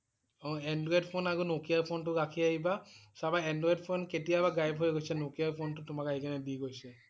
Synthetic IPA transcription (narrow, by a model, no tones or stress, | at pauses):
ɔ̃ɛndɹɔedpʰonaɡunokijaɹpʰontʊɹakʰiaɦibasabaɛndɹɔedpʰonketijabaɡajbɦojɡojsɛnokijaɹpʰontʊtʊmakaɦikanɛbiɡojsɛ